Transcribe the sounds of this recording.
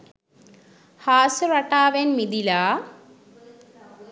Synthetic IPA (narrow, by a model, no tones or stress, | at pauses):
haːsuɾɐʈaːʋenmid̪ila